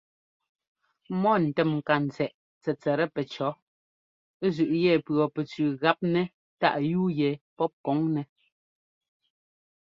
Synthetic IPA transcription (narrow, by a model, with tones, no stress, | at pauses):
mɔ˦˨n̩˨tɛ˨mŋ̩˨ka˨n̩˨t͡sɛ˨ʔ | t͡sɛ˨t͡sɛ˨ɾɛ˦pɛ˨t͡ʃɔ˨˦ | zʉ˨ʔjɛ˦˨pɰɔ˨pɛ˨t͡sʉː˨ɣa˦p̚nɛ˦ | ta̰˦ʔjuː˦jɛ˨pɔ˦p̚kɔ˨˦ŋnɛ˨